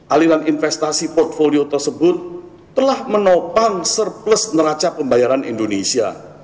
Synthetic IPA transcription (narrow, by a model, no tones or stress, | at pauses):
ʔaliɾaninfɛst̪asipɔrt̪̚foliot̪ərsəbʊt̪̚ː | əlahmənopaŋsərpləsnəɾat͡ʃapəmbajaɾanḭndonesia̰